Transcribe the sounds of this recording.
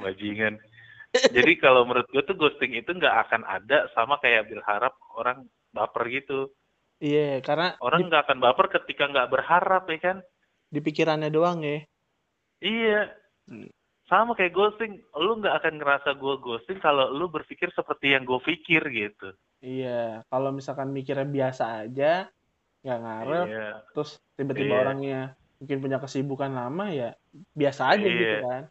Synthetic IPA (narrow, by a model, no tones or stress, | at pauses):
mad͡ʒiŋan | d͡ʒadikalawməɾʊt̪̚ɡuat̪uɡost̪ɪŋit̪uŋɡaʔa̰kana̰dasamakajaʔbəlhaɾap̚oɾaŋ | bapərɡit̪u | ijakarnaoɾaŋɡaːkanbapərkət̪ikaŋɡaʔbərhaɾapɛhkan | dip̬ikiɾanɲadoaŋɛ | ija | samakajaʔɡosɪŋluŋɡaʔːkanŋəɾasaɡuaɡosɪŋkalolubərfikɪrsəpərt̪ijaŋɡuafikɪrɡit̪u | ijakalomisalkanmikiɾabiasaːd͡ʒa | ŋɡaʔŋaɾət̪ɾʊst̪ibat̪ibaoɾaŋɲa | muŋkɪnp̬uɲakəsibukanlamaja | biasaːd͡ʒaɡiukan